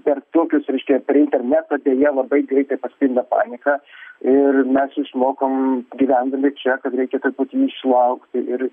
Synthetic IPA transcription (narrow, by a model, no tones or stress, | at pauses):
pʲɛrt̪oːkʲʊsɾʲɛɪʃʲkʲɛpʲɛɾɪnʲt̪ʲɛrʲnʲæt̪oːd̪ʲeːjɛlˠɐbɐɪɡɾʲɛɪt̪ɐɪpɐsʲkʲɪnd̪ɐpɑ̰ːnʲɪkɑɪrmʲɛsjɪʃmoːkoːmɡʲɪʋʲænd̪ɐmʲɪt͡ʃʲɛkɐt̪ɾʲɛɪkʲɛt̪ʊrput̪ʲiɪʃlˠɐʊkt̪ʲɪɪɾ